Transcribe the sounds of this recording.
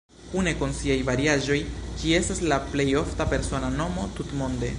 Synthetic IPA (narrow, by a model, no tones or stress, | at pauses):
kune̞konsiajvaɾiaʒo̞jkie̞staslaple̞jo̞ftape̞ɾso̞nano̞mo̞tutmo̞nde̞̰